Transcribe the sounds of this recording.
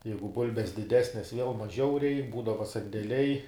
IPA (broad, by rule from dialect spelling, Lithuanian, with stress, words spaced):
ˈjɛɪɡʊ ˈbʊlʲbʲɛs dʲɪˈdʲæːsʲnʲɛs ʋʲiɛlˠ mɐˈʒʲɛʊ ˈrʲɛɪk ˈbuːdɐʋɐ sɐnʲdʲɛˈlʲɛɪ